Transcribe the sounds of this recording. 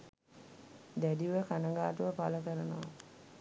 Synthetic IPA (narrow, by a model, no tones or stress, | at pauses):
d̪ædiʋəkanəŋɡaːʈuʋəpaləkəɾənəʋa